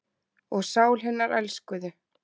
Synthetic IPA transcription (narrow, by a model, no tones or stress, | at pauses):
ɔɣsaːwlɦɛnːaɾʔɛ̰lskʏðʏ